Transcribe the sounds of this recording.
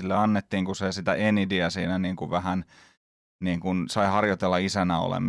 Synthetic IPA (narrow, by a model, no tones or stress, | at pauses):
ilːeɑnːet̪ːiːŋkusesit̪æʔenidiæsiːnæniːŋkuʋʋæhæn | niːŋkunsɑihɑrjot̪elːɑisænæo̰lḛm